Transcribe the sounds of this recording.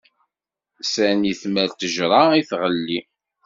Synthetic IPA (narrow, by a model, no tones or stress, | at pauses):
sæniθmælt̪əʒɾˤɑiθʁəlːi